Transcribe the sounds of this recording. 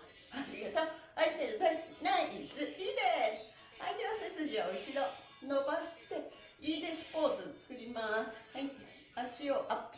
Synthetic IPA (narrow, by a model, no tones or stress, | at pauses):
haɾʲiɡat̪aaist̪ezet̪aisnaʔit͡sɨid̪esɨ̥ | ait̪eβasesɨʑiaoiɕid̪o | nobaɕi̥t̪e̞ | iːd̪esɨ̥po̞ːt͡sɨt͡sɨ̥kɯ̟ɾʲimasɨ̥hait̪ːe | aɕioʔa